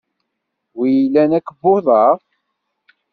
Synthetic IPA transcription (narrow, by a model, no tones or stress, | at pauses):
wijəlːænækːbːʊðˤɑʁ